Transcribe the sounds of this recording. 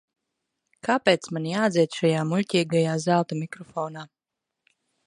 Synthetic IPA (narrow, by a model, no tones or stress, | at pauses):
kʰapʲeːt̪smanijaːd̪zʲiɛt̪ʃajaːmulʲcʲiːɡajaːzalˠt̪amʲikɾɔfɔːnaː